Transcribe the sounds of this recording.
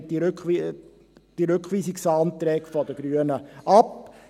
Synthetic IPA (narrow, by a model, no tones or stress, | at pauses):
ɾki | d̥iɾʉkχʋiːsiksɑːnt̪ɾɛːkfɔd̪əɡ̥ɾyənəʔɑp